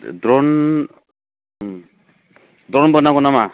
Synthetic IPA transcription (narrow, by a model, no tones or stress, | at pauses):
dɾɔn | dɾɔnbɔnaɡɔnama